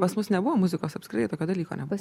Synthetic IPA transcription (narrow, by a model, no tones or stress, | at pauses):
pɐsmʊsnʲɛbʊʋoːmʊzʲɪkoːsɐpʲskʲɾɪt̪ɛɪt̪oːkʲoːd̪ɐlʲiːko̰nʲɛb